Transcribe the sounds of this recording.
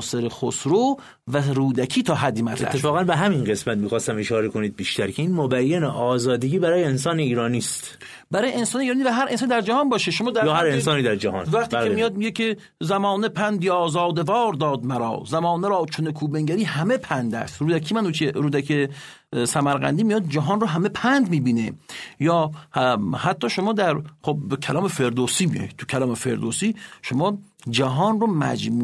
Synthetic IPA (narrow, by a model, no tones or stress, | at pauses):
seɾexosɾo | væɾuːd̪ækʰiːt̪ʰɒːɦæd̪ːimæt̪eæ̰sːetfɒːɣænbeɦæminɢesmæt̪miːxɒːst̪æmeʃɒːɾekoniːd̪̚biːʃt̪æɾkʰeiːnmobæjːeneʔɒːzɒːd̪eɡiːbæɾɒːjeensɒːneiːɾɒːniːst̪ | bæɾɒːjeensɒːneiːɾɑːnivæɦæɾʔnsɑːnid̪æɾd͡ʒæhɒːnbɒːʃeʃomɒːd̪æjɒːhæɾensɒːniːd̪æɾd͡ʒæhɒ̰ːnvæχt̪ibæemijɒːd̪̚miɟekʰʲe | zæmɒːnepʰænd̪jɒːzɒːd̪evɒːɾd̪ɒːd̪̚mæɾɒ̰ːzæmɒːneɾɒːt͡ʃʰonekʰuːbeŋɡæɾiːhæme̞pʰænd̪æ̰st̪ɾuːd̪ækʰiːmænuːt͡ʃʰeɾuːd̪ækʰe | sæmæɾɣæ̰nd̪iːmijɒd̪̚d͡ʒæɦɒːnroɦæme̞pʰænd̪miːbiːnejɒː | hæt̪ʰːɒːʃomɒːd̪æɾχob̚bekʰælɒːmefe̞ɾd̪oːsiːmijɒ̰jid̪̚t̪ʰu̥kʰælɒːmefḛɾd̪oːsiːʃomɒːd͡ʒæɦɒːnromæ̰d͡ʒmuː